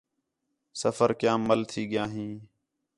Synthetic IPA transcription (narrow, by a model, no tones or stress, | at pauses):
səfəɾkjãːmːəlt̪ʰiːɠɪjaːɦĩː